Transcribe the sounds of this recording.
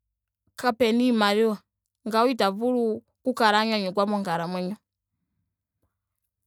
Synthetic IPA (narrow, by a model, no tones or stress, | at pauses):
kapɛnimaɾiwa | ŋɡawitavulu | kukaɾaɲwaɲɔkwamɔŋɡaɾamwɛɲɔ